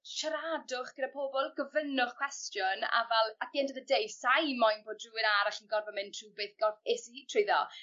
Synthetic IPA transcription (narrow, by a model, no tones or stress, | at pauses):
ʃaɾadʊχɡ̥əɾapʰoːbɔlˠɡəvənʊχkʰw̥ɛstjɔna̰vɛlˠat̚d̥iɛndəðədejsajmajnboːdruːwɪnaɾaχinɡɔrvɔmɪntʰruːbeːθɡ̥ɔθesiiːtʰrejðɔ̰